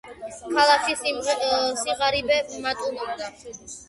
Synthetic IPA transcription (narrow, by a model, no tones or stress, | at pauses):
kʰalˠakʰis | siʁaɾibɛmat̪ʼumɔk̚d̪a